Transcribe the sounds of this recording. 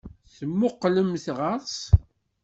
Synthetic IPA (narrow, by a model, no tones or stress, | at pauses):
θəmːʊqːləmθʁəɾˤs